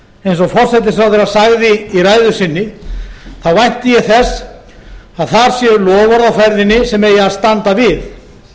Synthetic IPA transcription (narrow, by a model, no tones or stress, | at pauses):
ejns̬ɔɣfɔr̥sɛt̪̬ɪsɾawðɛɾaðsaɣðɪiraːjðʏsɪnːɪ | θawvajn̥t̪ɪjɛθɛs | aðθaɾ̥sjɛlɔːvaɾðawfɛɾðɪnːɪsɛmɛjaðst̪ant̪avɪð